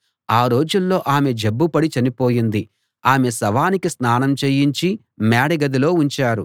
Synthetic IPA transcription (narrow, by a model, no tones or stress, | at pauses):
aːɾo̞ːd͡ʒulːo̞ːʔaːme̞d͡ʒebːupɐɽit͡ʃɐnipo̞ːjind̪i | aːme̞sɐʋaːnikisnaːnɐmt͡ʃeːjiɲt͡ʃi | maːɽɐɡɐd̪ilo̞ːuɲt͡ʃaːɾu